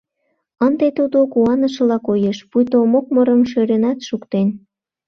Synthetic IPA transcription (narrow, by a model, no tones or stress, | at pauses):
ənd̪et̪ud̪okuɑnəʃɤ̆lɑkojeʃpujt̪omok̚məɾəmʃøɾenɑt̪ʃukt̪en